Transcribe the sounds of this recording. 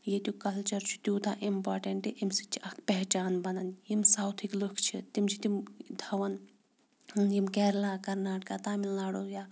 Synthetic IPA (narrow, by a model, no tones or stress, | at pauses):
jet̪jukɐlt͡ʃɐɾt͡ʃʰu̥t̪uːt̪aʔimpaːɾʈeɳʈiʔimsit͡ʃʰiɐkʰpɛɦt͡ʃaːnbɐnɐnjimsaːwt̪ʰiklokʰt͡ʃʰit̪imt͡ʃʰi̥t̪imd̪ʱɐʋɐn | njimkɛːɾlaːkɐɾnaːʈkat̪aːminlaːɽojaː